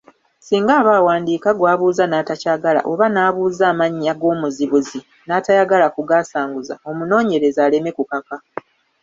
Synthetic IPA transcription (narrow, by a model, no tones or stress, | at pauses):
siːŋɡaːβaːwaːndiːkaɡwaːβuːzanaːtacaːɡala̰ʔo̞βanaːβuːzaːmaɲːaɡo̞ːmuziβuzi | naːtajaɡalakuɡaːsaːŋɡuza̰o̞muno̞ːɲe̞ɾe̞zaːle̞me̞kukaka